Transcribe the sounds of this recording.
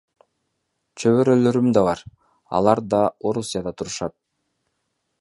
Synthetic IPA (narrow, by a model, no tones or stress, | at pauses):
t͡ʃʰøβøɾølø̞ɾymd̪ɑβɑɾ | ɑ̰lˠɑɾd̪ɑo̞ɾusʲijad̪ɑt̪ʰuɾuʃɑt̪̚